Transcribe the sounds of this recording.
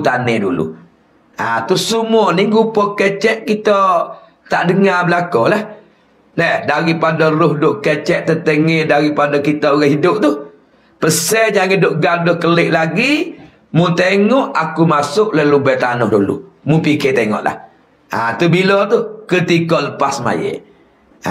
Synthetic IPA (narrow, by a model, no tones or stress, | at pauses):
t̪anɛdṵlṵ | at̪usumɔniɡupɔket͡ʃɛʔkit̪ɔ | t̪aʔdəŋabəlakɔlah | nɛhdaɣipadɔɾʊhdʊʔket͡ʃɛʔ̚t̪ət̪əŋɛdaɣipadɔkit̪ɔʔɣaɦidʊʔ̚t̪u | pəsɛd͡ʒaŋedʊʔɡadʊhkəlɪʔlaɡi | mut̪eŋɔʔakumasʊʔləlubɛt̪anʊhdulṵ | mupiket̪eŋɔ̰ʔla̰h | a̰t̪ubilɔt̪ukət̪ikɔʔləpasma̰jḛʔ